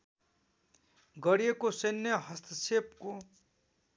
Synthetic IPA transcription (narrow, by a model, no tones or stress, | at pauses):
ɡʌɽijekosenʌɦʌst̪ʰʌsep̚ko